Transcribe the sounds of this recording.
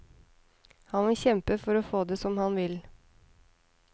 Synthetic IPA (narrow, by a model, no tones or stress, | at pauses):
hɑnʋɪlçɛmpəfɔɾofoːd̪eːsɔmhɑnʋɪl